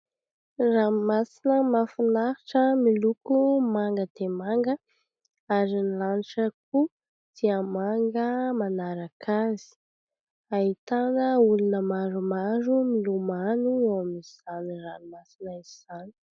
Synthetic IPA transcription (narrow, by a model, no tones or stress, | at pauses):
ramasinəmafinaɾiʈ͡ʂəmilukumaŋɡəd̪emaŋɡə | aɾinilaniʈ͡ʂəku | d̪̥iəmaŋɡəmanaɾakʰazi̥ | aɦit̪anəulunəmaɾumaɾumilumanuewamiz̥aniranmasinaiziz̥ani̥